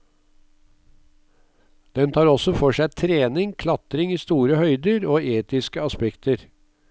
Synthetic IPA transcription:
d̪̥ɛnt̪ʰɑːɾɔsɔfɔʂæɪt̪ʰɾeːnɪŋkʰlɑt̪ɾɪŋiːst̪uːɾəhœʏd̪əɾoːʔeːt̪ɪskəɑspɛkt̪əɾ

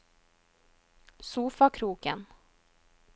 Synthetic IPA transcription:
suːfɑkʰɾuːkən

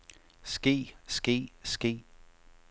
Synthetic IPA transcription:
sɡ̥e̝̰ːsɡ̥e̝̰ːsɡ̥e̝̰ː

